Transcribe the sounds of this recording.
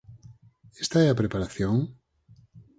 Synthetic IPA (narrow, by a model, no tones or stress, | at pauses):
est̪aɛapɾepaɾaθjoŋ